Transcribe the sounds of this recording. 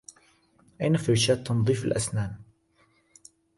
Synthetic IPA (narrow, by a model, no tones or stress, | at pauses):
ʔajnafɪɾʃaːd̪̚t̪ʰːɑnðˤiːfalʔasnaːm